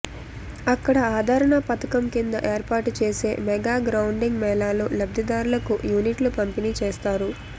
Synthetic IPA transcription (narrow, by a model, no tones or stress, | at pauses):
ɐkːɐɽɐaːd̪ʱaːɾɐɳɐpɐt̪ɐkɐmkind̪ɐʔe̞ːɾpaːɾʈut͡ʃeːse̞ːmɛɡaːɡɾɐwuɳɖiŋɡmɛːlaːlulɐb̚d̪ʱid̪aːɾulɐkujuːniʈlupɐmpinit͡ʃeːst̪aːɾu